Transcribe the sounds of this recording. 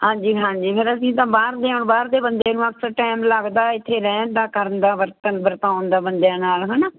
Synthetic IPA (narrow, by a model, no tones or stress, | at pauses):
hãːɲd͡ʒiːɦãːd͡ʒiːpʰɪɾəsĩːt̪̬ãːbaːɾd̪eːɦoɳbaːɾd̪eːbənd̪eːnũːəksəɾʈɛːmləɡd̪aːɪt̪ʰːeːɾɛ̃ːnd̪aːkəɾənd̪aːʋəɾt̪ənbəɾt̪ãːʊnd̪aːbənd̪ejãːnaːlɦɛnaː